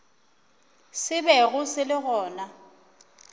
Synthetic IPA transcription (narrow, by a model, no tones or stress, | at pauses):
sɪbɛɣʊsɪlɪɣɔːna